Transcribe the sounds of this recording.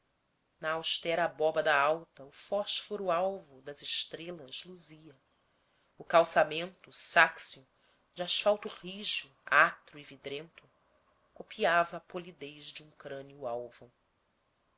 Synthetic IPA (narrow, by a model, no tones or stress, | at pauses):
nɐawʃt̪ɛɾɐbɔbɐd̪aawt̪ɐufɔʃfoɾuawvʊd̪ɐzɪʃt̪ɾelɐzluziɐ | ʊkawsamẽnt̪ʊsaksiʊ | d͡ʒaʃfawt̪uʁiʒu | at̪ɾuivid̪ɾẽnt̪ʊ | kopʰiavɐːpolid̪ejʒd͡ʒɪũŋkɾɐ̃niuawvu